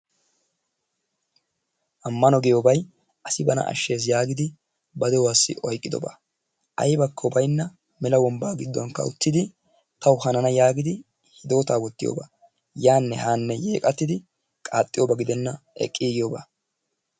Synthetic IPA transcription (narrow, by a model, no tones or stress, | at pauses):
ʔɐmːɐnɔɡɛjoːbɐj | ʔɐsɪbɐnɐ̰ʔɐ̰ʃːe̞ːs̬jaːɡɪd̪ɪ | bɐd̪ɛwaːsːɪ̰ʔɔjkʼːɪd̪ɔ̰ba̰ | ʔɐ̰jbɐkːɔbɐjnːɐ | mɛlɐwɔmbaːɡɪd̪ːɔŋkːɐ̰ʊt̪ːɪd̪ɪ | t̪ɐwʊhɐnɐnɐjaːɡɪd̪ɪ | hɪd̪o̞ːt̪aːwɔt̪ːɪjo̰ːba̰ː | jaːnːɛhaːnːɛjeːkʼɐt̪ːɪd̪ɪ | kʼaːt̪ʼːɪjoːbɐɡɪd̪ɛnːɐɛ̰kʼːiːɡɪjoːba̰ː